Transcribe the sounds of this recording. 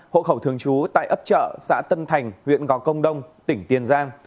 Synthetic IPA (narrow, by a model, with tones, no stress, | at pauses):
ho̰˧˨xə˧˩wt̪ʰɨ˨˩əŋt͡ɕu˨˦t̪a̰ː˧˨jʔə˦˥p̚t͡ɕə̰ː˧˨sa̰ː˧˥t̪ə˧nt̪ʰa˨˩jŋ̟hwḭ˧˨ənɣɔ˨˦kə˧wŋ͡mɗə˧wŋ͡mt̪ï˧˩ŋ̟t̪i˨˩ənzaː˧ŋ